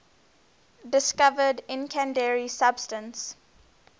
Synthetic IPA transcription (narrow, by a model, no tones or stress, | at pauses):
dɪskavədɪ̃nkʰɛ̃ndɛɹisabstə̃ns